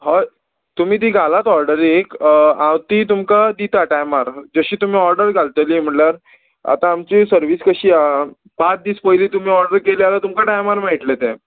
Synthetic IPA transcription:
ɦɔ | t̪um̤iːt̪̬iːɡʱalat̪ɔɾɖəɾikãwt̪iːt̪umkad̪it̪aʈajmaɾd͡zəɕiːt̪um̤iːɔɾɖəɾɡʱalt̪elim̤əɳlaɾ | a̰t̪ãːmt͡ɕisəɾʋiːskəɕiː | pat͡s̪̚d̪iːspəjliːt̪um̤iːɔɾɖəɾkelialat̪umkaʈajmaɾmaiʈlet̪ɛ̃

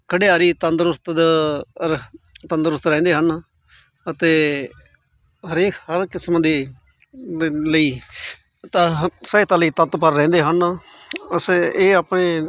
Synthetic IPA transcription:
kʰəɽeːaːɾiːt̪ənd̪ɾʊst̪ | t̪ə̃nd̪ɾʊst̪ɾɛ̃ːnd̪eːɦən | ət̪eː | ɦəɾeːkhəɾkɪsmãːd̪eː | ləiː | t̪aːsəeːt̪aːləiːt̪ət̪pəɾːɛ̃ːnd̪eːɦən | əseːaːpɳeː

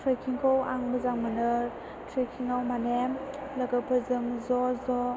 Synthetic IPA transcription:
tʰɾikʰiŋkʰɔwaŋbɯzaŋmɯnɯ | tʰɾikʰiŋawmanemləɡapʰɯzɯŋzɔzɔ

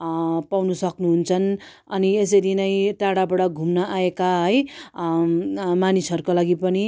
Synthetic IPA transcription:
pawnusʌknuɦunt͡sʰʌn | ʌnies̬ʌjɾinʌjʈaɽabaɽʌɡʱumnʌʔaekaɦʌj | manisɦʌɾukolaɡipʌni

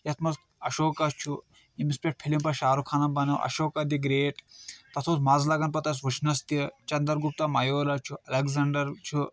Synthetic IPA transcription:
jɐt̪ʰmɐst̪ɐʃoːkɐt͡ʃʰu | imispʲeʈ̚pʰilimpɐʃaːɾukʰaːnɐbɐnɐwʔɐ̰ʃoːkɐd̪iɡɾeːʈt̪ɐt̪ʰoːt̪mɐzlɐɡɐnpɐt̪ɐs̬ʋut͡ʃʰnɐst̪it͡ʃɐnd̪ɐɾɡup̚t̪amɐjoːlɐt͡ʃʰuɐlɐɡzɐɳɖɐɾt͡ʃʰu

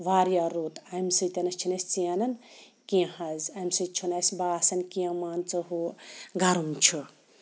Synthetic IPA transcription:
ʋaːɾjaɾuːt̪ɐmsɨt̪ʲɐnɐst͡ʃʰunɐsʲt͡siɐnɐn | kiãhɐzɐmsɨt͡ʃʰunɐsʲbaːsɐnkiɐ̃maːnt͡sɐɦuɡɐɾumt͡ʃʰu

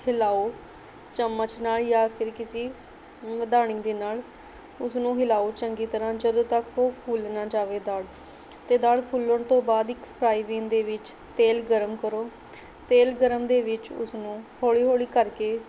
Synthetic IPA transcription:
hɪlaːoː | t͡ʃəmːət͡ʃnaːljaːpʰɪɾkɪsiː | məd̪aːɽ̃ɪ̃ːd̪eːnaːl | ʊsnũːɦɪlaːoːt͡ʃəŋɡiːt̪əɾãːd͡ʒəd̪õːt̪əkoːpʰuːlnaːd͡ʒaːʋeːd̪aːɽ | t̪eːd̪aːɽpʰuːlːəɳt̪õːbaːd̪ɪkpʰɾaːiːʋẽːnd̪eːʋɪt͡ʃ | t̪eːlɡəɾəmkəɾoː | t̪eːlɡəɾəmd̪eːʋɪt͡ʃʊ̰snũːhoːɭiːɦoːɭiːkəɾkeː

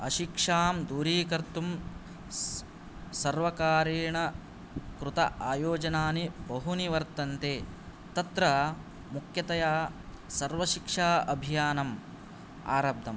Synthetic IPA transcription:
ɐ̰ʃikʂaːmd̪uːɾiːkɐɾt̪um | sɐɾʋɐkaːɾiːɳɐ | kɾut̪ɐʔaːjoːd͡ʒɐnaːnibɐɦuniʋɐɾt̪ɐnt̪eː | t̪ɐt̪ɾɐ | mukʰjɐt̪ɐjaː | sɐɾʋɐʃikʂaːɐbʱijaːnɐm | a̰ːɾɐb̚d̪ʱɐm

